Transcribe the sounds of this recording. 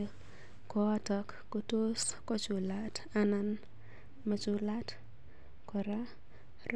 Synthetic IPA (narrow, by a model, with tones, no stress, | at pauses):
kɔ˨ɔ˦tɔkːoto˦skɔ˦t͡ʃu˨latanan | ma˨t͡ʃu˦lat | kɔ˨ɾa